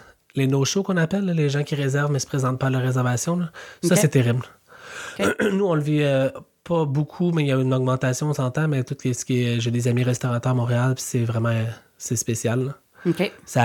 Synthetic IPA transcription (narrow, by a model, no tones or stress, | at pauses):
lenoʃokɔ̃napɛlːleʒɑ̃kʲiʁezɛʁvmɛsə̥pχezɑ̃t̪̚pɔalaʁːezɛʁvasjɔ̃lʌsʌsɛt̪eʁɪbl | nuɔ̃ləviø | pʰʌbukʰumɛiljaynɔɡmɑ̃t̪asjɔ̃sɑ̃t̪ãmɛt̪ut̪lesə̥kʲeʒed̪ezamiʁɛst̪ɔʁat̪œːʁmɔ̃ːʁealpi̥sɛvʁɛmɑ̃ | sɛspesjalːɔ | sa